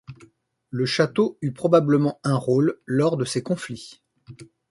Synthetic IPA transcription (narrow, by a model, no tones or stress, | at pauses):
ləʃat̪oypχɔbabləmɑ̃ɛ̃ʁolːɔʁd̪əsekɔ̃fli